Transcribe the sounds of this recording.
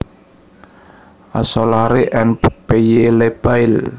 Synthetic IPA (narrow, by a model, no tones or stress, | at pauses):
ʔa̰sɔlaɾeʔɛnppejeleb̥aɪl